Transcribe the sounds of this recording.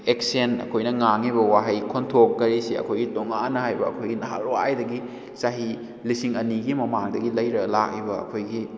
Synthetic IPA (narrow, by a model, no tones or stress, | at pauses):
eksenɐ̰kʰojnɐŋaŋiβɐwaɦɐjkʰontʰokːɐɾisiɐ̰kʰojɡitoŋanːɐhajbɐɐ̰kʰojɡinɐɦaɾwajdɐɡi | saɦi | lisiŋɐniɡimɐmaŋdɐɡilɐjɾɐlak̚ibɐɐ̰kʰojɡi